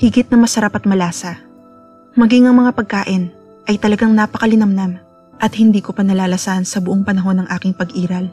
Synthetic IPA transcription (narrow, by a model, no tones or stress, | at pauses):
hɪɡɪt̪̚nɐmɐsɐɾapɐt̪̚mɐlaːsɐ | mɐɡiŋɐŋmɐŋapɐɡ̚kaːʔɪn | ʔɐjt̪ɐlɐɡaŋnaːpɐkɐlɪnɐmnɐm | ʔɐt̪̚hɪnd̪iːko̞pɐnɐlaːlɐsansɐbʊʔoŋpɐnɐɦo̞nːɐŋʔaːkɪŋpɐɡʔiːɾɐl